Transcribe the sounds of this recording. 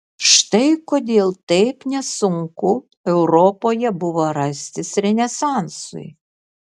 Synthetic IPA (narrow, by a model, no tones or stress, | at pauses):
ʃt̪ɛjkɔd̪ʲilˠt̪ejpnʲɐsʊŋkʊ | ɛwɾɔpɔjɛbʊʋɐɾɐsʲt̪ʲɪsɾʲenʲɛsɑnsʊ̰j̰